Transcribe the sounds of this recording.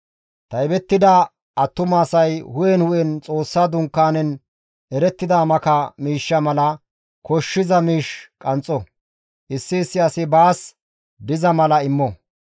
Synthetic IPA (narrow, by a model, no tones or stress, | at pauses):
t̪ɐɛbɛt̪ːɪd̪ɐ | ɐt̪ːʊmaːsɐjhʊjɛnhʊʔɛnt͡sʼo̞ːsːad̪ʊŋkːaːnɛn | ɛɾɛt̪ːɪd̪aːmɐkɐmiːʃːɐmɐlɐ | kɔʃːɪzɐmiːʃkʼɐnt͡sʼɔ | ʔɪsːɪːsːɪɐsɪbaːs | d̪ɪzɐmɐlɐɪmːɔ